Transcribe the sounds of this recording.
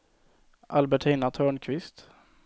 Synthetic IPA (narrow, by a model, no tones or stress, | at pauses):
ʔalbɛʈʰiːnat̪ʰœːɳkʰvɪst̪